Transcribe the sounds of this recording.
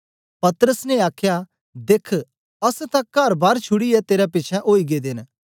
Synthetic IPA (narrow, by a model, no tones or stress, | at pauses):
pɐt̪əɾəsneaːkʰja | d̪eːkʰ | ɐst̪ãkɐɾbaːɾt͡ʃʰʊɽiɛt̪eːɾɛpɪt͡ʃʰɛʔoːiɡed̪ɪn